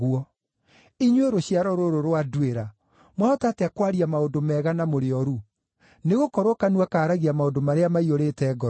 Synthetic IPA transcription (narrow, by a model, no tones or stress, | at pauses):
ɣuɔ | iɲweɾoɕiaɾɔɾoɾoɾwadweɾa | mwaɔtateakwaɾiamaondomɛːɣanamoɾeɔɾu | neɣokɔɾokanwakaːɾaɣiamaodomaɾeamaioɾetɛːɡɔ